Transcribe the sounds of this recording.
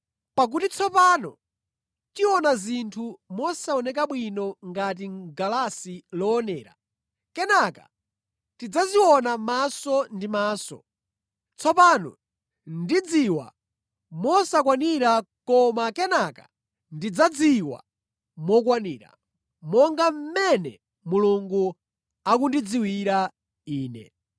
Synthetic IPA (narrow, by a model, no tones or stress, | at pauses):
pak̬utit͡sʰɔpanɔ̰ | tiwɔnazintʰumɔsaɔnɛk̬aɓwinɔŋɡat̬iɡalasilɔːnɛːɾa̰ | kɛnaka̰ | tid͡zaziwɔnamasɔndimaːsɔ̰ | t͡sʰɔpaːnɔ̰ | ndid͡ziwa̰ | mɔsakwaniɾakɔmakɛnaka̰ | ndid͡zad͡ziwa̰ | mɔk̬waniːɾa̰ | mɔŋɡam̩mɛnɛ | muluŋɡu | ak̬undid͡ziwiɾa | iːnɛ̰